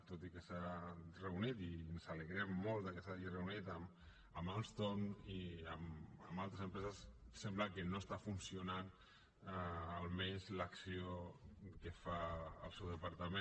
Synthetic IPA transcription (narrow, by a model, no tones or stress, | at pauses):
t̪ot̪ikəsarəunit̪iənzaləɣɾɛmːolt̪d̪əkəsaʒirəunit̪əm | əmalst̪oniəməmbalˠt̪ɾəsəmpɾɛzəssɛmbləkənoəst̪afunsiunan | əlˠmeɲzləksiokəfaə̰lˠsewðəpaɾt̪əmẽ